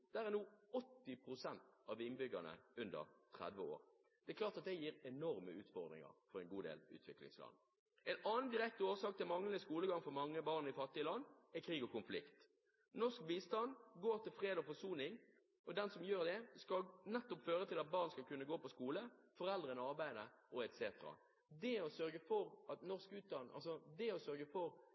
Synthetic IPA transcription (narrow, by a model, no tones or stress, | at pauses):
d̪̥æɾænuːɔt̪ːɪpʰɾʊsɛnt̪ɑːʋɪnbʏɡənə̰ʉnd̪ə̰ʁt̪ʰʁæ̰d̪ʋəo̰ːɾ | d̪̥ɛɛklɑːt̪ɑt̪̚d̪ɛjiːʁɛnɔɾməʉːt̪fɔʁd̪ʁɪ̰ŋə̰ʁfɔɾɛɪnɡuːd̪ḛːlʉ̰ːt̪ʰʋɪklɪ̰ŋslɑ̰nː | ɛnɑːnd̪ɪʁɛk̚t̪əoːsɑːk̚t̪ʰɪlmɑŋlənəskuːləɡɑŋfɔɾmɑŋːəbɑʁnɪfɑt̪ːɪəlɑnːɛkʰɾiːɡɔkʊnflɪ̰kt̪ | nɔskbiːst̪ɑnd̪ɡoːɾt̪ɪlfɾeːd̪ɔfɔsuːnɪŋ | ɔd̪ɛnsɔmjøːɾd̪ɛskɑlnɛt̪ːɔpføːɾət̪ʰɪlɑt̪̚bɑːʁnskɑlkʉnːəɡoːpʰɔskuːləfɔɾɛld̪ɾənəɑʁbæɪd̪əʔɔɛt̪sḛːt̪əɾɑ̰ | d̪ɛɔsœɾɡəfɔɾɑt̪nɔʁskʉːt̪̚d̪ɑnʔɑ̰lsɔd̪ɛɔsœɾɡəfɔɾ